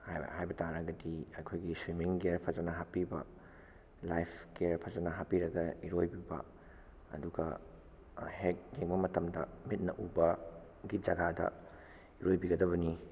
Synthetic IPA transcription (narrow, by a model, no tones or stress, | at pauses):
hhajbɐtaɾɐɡɐdiɐjkʰojɡiswimiŋɡeɾpʰɐzɐnɐɦapibɐ | lajpʰkeɾpʰɐzɐnɐɦapiɾɐɡɐiɾojbibɐ̰ | ɐ̰duɡɐ̰ | hek̚ɡeŋbɐmɐtɐmdɐmit̚nɐ̰ʔubɐ | ɡid͡ʒɐɡadɐ̰ | iɾojbiɡɐdɐβɐni